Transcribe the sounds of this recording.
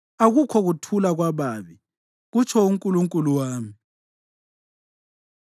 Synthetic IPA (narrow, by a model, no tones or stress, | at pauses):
aɣukʰɔɣutʰulaɣwaβaːβi | ɣut͡ʃʰɔuŋkʼuluŋkʼuluwaːmi